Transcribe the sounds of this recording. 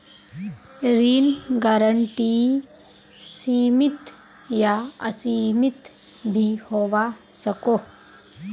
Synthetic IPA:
ɾinɡaɾəɳʈi | siːmɪt̪ | jaɐ̰simɪt̪ | bʱihoʋasəkoː

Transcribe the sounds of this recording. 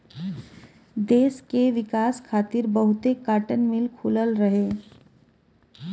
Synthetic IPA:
d̪eːskeʋɪkaːskʰaːt̪ɪɾbəɦʊt̪ekaːʈənmɪlkʰʊːləlɾəɦeː

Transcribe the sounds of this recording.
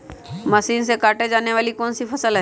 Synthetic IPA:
mɐsiːnsekaːʈed͡ʒaːneʋaːlikɔːnsipʰɐsəlɦɛ

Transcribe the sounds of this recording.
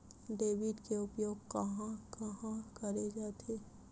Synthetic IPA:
ɖeːʋɪʈkeʊpjoːɡkɐɦãkɐɦãkɐɾed͡ʒaːt̪ʰeː

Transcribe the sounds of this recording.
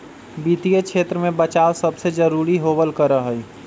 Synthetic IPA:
bit̪ijət͡ʃʰeːt̪ɾəmebət͡ʃaːosəbsed͡ʒəɾuɾiɦobəlkəɾəɦəj

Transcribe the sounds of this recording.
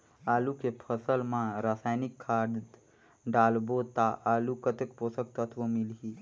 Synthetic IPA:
aːlukepʰəsəlmãɾaːsaːjnɪkʰːaːɖ | ɖaːlbot̪aʔaːlukət̪əkposək̚t̪ət̪ʰʋəmilɦi

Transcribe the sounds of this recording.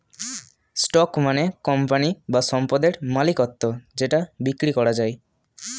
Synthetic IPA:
sʈɔkmanekɔmpanibaʃɔmpad̪eɾmalikɔt̪ːod͡ʑeʈabikːɾikɔɾad͡ʑaj

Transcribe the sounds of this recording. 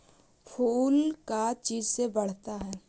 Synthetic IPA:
pʰuːlkat͡ʃiːd͡ʒsebɐɽ̤t̪aɦɛː

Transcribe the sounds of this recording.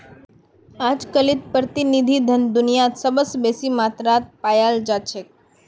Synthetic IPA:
ad͡ʒkəlit̪̚pɾət̪inid̪ʱid̪ʱənd̪ʊnijasəbəsbesimat̪ɾat̪̚pajald͡ʒat͡ʃʰe

